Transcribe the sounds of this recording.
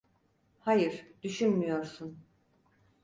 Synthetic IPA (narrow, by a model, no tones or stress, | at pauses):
hajɯɾd̪yʃynmyjo̞ɾsun